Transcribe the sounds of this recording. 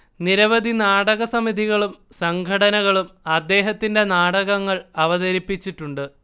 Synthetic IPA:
niɾɐʋɐd̪ʱinaːɽɐɣɐsɐmid̪ʱiɣɐɭumsɐŋɡʰʱɐɽɐnɐɣɐɭumɐd̪ːe̞ːɦɐt̪ːinde̞naːɽɐɣɐŋːɐɭɐʋɐðɐɾipːit͡ɕːiʈːuɳɖɨ

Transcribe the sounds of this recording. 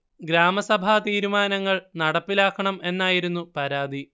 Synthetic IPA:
ɡɾaːmɐsɐbʱat̪iːɾumaːnɐŋːɐɭnɐɽɐpːilaːkːɐɳɐme̞nːaːjiɾunːupɐɾaːd̪ʱi

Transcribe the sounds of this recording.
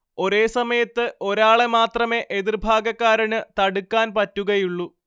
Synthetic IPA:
o̞ɾe̞ːsɐmɐjɐt̪ːɨʔo̞ɾaːɭemaːt̪rɐme̞ːʔeðirbʱaːɡɐkːaːɾɐnɨt̪ɐɽukːaːnpɐtːuɣɐjuɭːu

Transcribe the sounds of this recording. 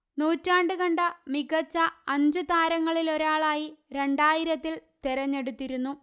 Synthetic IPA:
nuːtːaːɳɖɨɣɐɳɖɐmiɡɐt͡ɕːɐɐɲd͡ʑɨt̪aːɾɐŋːɐɭilo̞ɾaːɭaːjiɾe̞ɳɖaːjiɾɐt̪ːilt̪eɾɐɲːe̞ɽut̪ːiɾunːu

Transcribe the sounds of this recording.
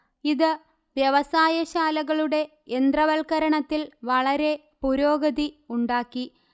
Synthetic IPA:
iðɨ | ʋjɐʋɐsaːjɐɕaːlɐɣɐɭuɽe̞ | end̪rɐʋɐlkɐɾɐɳɐt̪ːilʋɐɭɐɾe̞ | puɾoːɡɐðiuɳɖaːkːi

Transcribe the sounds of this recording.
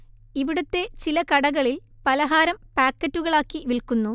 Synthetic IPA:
iʋiɽut̪ːe̞t͡ɕilɐkɐɽɐɣɐɭilpɐlɐɦaːɾɐmpaːkːɐtːuɣɐɭaːkːiʋilkunːu

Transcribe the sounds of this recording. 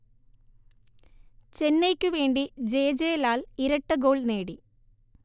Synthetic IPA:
t͡ɕenːejkʲːɨʋe̞ːɳɖid͡ʑeːd͡ʑejlaːliɾɐʈːɨɡo̞ːɭne̞ːɽi

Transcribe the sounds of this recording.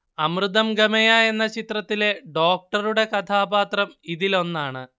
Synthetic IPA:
ɐmrɨd̪ɐmɡɐmɐjae̞nːɐt͡ɕit̪rɐt̪ːile̞ɖo̞ːk̚ʈɐruɽe̞kɐt̪ʰaːbaːt̪rɐmiðilo̞nːaːɳɨ

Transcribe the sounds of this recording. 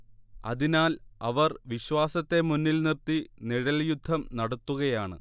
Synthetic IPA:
ɐ̰ðinaːlɐʋɐrʋiɕwaːsɐt̪ːe̞munːilnirt̪iniɻɐljud̪ʱːɐmnɐɽɐt̪ːuɣɐjaːɳɨ̰

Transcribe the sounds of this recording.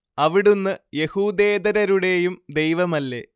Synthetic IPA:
ɐʋiɽunːɨje̞huːd̪e̞ːd̪ɐɾɐɾuɽe̞jumd̪e̞jʋɐmɐlːe̞

